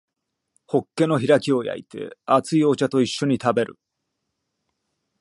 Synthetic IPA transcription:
ho̞kːe̞no̞çiɾakʲio̞ja̰ḭt̪ʰe̞̰at͡sɨiot͡ɕat̪o̞iɕːo̞ɲ̟it̪abe̞ɾɯ̟̰

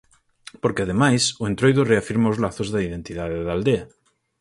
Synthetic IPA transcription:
poɾkeað̞emajsoent̪ɾojðoreafiɾmaozlaθozðaiðent̪ið̞aðeðald̪ea

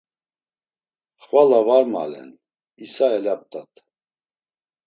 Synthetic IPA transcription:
χvalavaɾma̰lɛ̰n | isaɛlap̚t̪ʰʼat̪ʼ

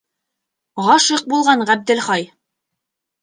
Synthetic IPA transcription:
ʁɑʃɤq̚bulˠʁɑnʁæb̚d̪ɘ̆lχɑj

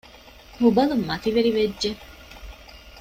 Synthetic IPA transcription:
hubɐlumːɐt̪iʋeɾiʋedʒe

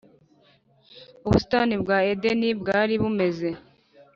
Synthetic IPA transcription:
uβusi̥tanibɡaːedenibɡaːɾiβume̞ze̞

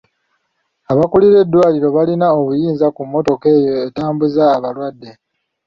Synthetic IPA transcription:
aβakuliɾe̞dːwaːliɾo̞βalinao̞βujiːnzakumːo̞to̞ke̞ːjo̞e̞taːmbuzaːβalwadːe̞

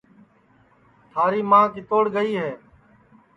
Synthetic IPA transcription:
t̪ʰaːɾiːmãːkiːt̪oːɽɡəiːɦeː

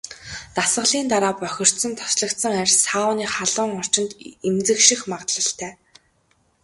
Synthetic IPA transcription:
t̪asə̆ɮiːnt̪aɾaːpœxʲɪ̆r̥t̪sə̆nt̪ʰɔ̥sɮə̆k̚t̪sə̆ŋarʲsaːʊːniːχaɮʊːŋɔr̥t͡ɕɪ̆nt̪emt͡sɘ̆kʃĭxmaʁt̪ɮə̆ɬt̪ʰæː

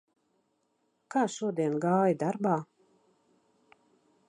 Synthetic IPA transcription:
kaːʃuɔd̪iɛnɡaːjid̪aɾbaː

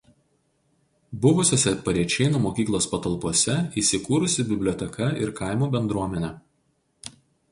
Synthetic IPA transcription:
bʊʋʊsʲoːsʲɛpɐɾʲiɛt͡ʃʲɛɪnuːmoːkʲiːklˠoːspɐt̪ɐlˠpuɔsʲɛiːsʲɪkuːɾʊsʲɪbʲɪbʲlʲɔt̪ʲɛkʰɐɪɾkɑˑɪmuːbʲɛnd̪ɾuɔmʲɛnʲɛ

